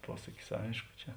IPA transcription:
ˈpuɔsɐkʲɪs ˈɐɪʃkʊ ˈt͡ʃʲɛ

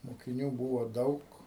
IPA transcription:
moːkʲɪˈnʲuː ˈbuːʋoː ˈdɐʊk

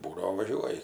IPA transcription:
ˈbuːdɐʋoː ˈʋɑːʒʲuɔjɪ

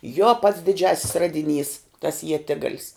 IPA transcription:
joː pɐts dʲɪˈd͡ʒʲæːsʲɪs ˈrɑːdʲɪˌnʲiːs tɐs iɛˈtʲɪɡɐlʲɪs

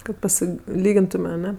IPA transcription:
kɐt pɐˈsʲɪ ˈlʲiːɡʲɪntʊmʲɛ ɐˈnʲɛ

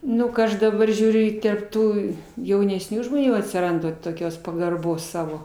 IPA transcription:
ˈnʊ kɐ ˈɐʃ dɐˈbɐr ʒʲuːˈrʲʊ ɪ tʲɛrp ˈtuː jɛʊnʲɛsʲˈnʲuː ʒmoːˈnʲuː ɐtʲsʲɪˈrɐndɐ toːˈkʲoːs pɐɡɐrˈboːs ˈsɑːʋoː

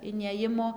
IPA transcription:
ɪˈnʲeːjɪmoː

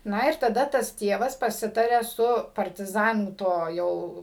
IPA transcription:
ˈnɐ ɪr tɐˈdɐ ˈtɐs ˈtʲiɛʋɐs pɐˈsʲɪtɐrʲɛ sʊ pɐrʲtʲɪˈzɑːnuː ˈtoː ˈjɛʊ

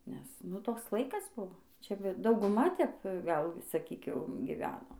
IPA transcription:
nʲɛs ˈnʊ ˈtoːks ˈlˠɐɪkɐs ˈbʊʋoː ˈt͡ʃʲɛ ˈbʲɛ dɐʊɡʊˈmɐ tʲɛp ˈɡɐlˠ sɐˈkʲiːk ˈjɛʊ ɡʲɪˈʋʲæːnoː

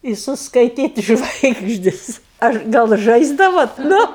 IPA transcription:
ɪ sʊskɐɪˈtʲiːtʲ ˈʒʋɐɪɡʒʲdʲɪs ˈɐʃ ɡɐlˠ ˈʒɐɪzdɐʋoːt ˈnʊ

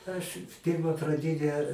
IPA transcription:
ɐʃ ˈpʲiːrmɐ prɐˈdʲɪnʲæː

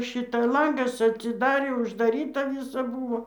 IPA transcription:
ˈʃʲɪtɐ ˈlˠɐŋɡɐs ɐtʲsʲɪˈdɑːrʲeː ʊʒdɐˈrʲiːtɐ ˈʋʲiːsɐ ˈbuːʋoː

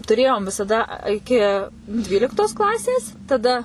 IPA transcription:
tʊˈrʲeːjoːm ʋʲɪsɐˈdɐ ɐ ɪˈkʲɪ ˈdʲʋʲiːlʲɪktoːs ˈklˠɑːsʲeːs tɐˈdɐ

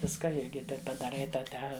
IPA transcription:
ˈʋʲɪskɐ ˈɪrʲɡʲɪ ˈtɐɪp pɐdɐˈrɐɪ ˈtɑː ˈtʲɛ

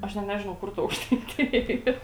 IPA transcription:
ˈɐʃ nʲɛt ˈnʲæːʒʲɪnɐʊ ˈkʊr tɐ ɐʊkʃtɐɪˈtʲɪjɛ ˈiːr

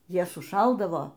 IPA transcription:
ˈjiɛ sʊˈʃɐlˠdɐʋoː

